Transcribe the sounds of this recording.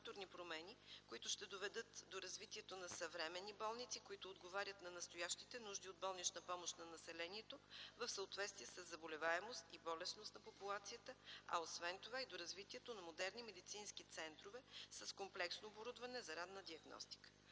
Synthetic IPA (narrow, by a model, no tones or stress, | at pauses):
t̪oɾnipɾomɛnikoit̪ʊʃt̪ɛd̪ovɛd̪ɤt̪d̪oɾɐzvit̪iɛt̪onɐsɐvɾɛmɛnːibɔlˠnit̪sikoit̪ʊːd̪ɡovaɾʲət̪nɐnɐst̪ojaʃt̪it̪ɛnuʒd̪iod̪̚bɔlˠnit͡ʃnɐpɔmoʃt̪nɐnɐsɛlɛniɛt̪ovəfsəot̪vɛt̪st̪viɛsəzːɐbolɛvaɛmost̪ibɔlɛsnost̪nɐpopulˠat̪sijət̪əɐ̰osvɛnt̪ovaid̪oɾɐzvit̪iɛt̪onɐmod̪ɛɾnimɛd̪it̪sinskit̪sɛnt̪ɾovɛsɐskomplɛksnoːboɾud̪vɐnɛzɐɾad̪nəd̪iɐɡnɔ̰st̪i̥kə̥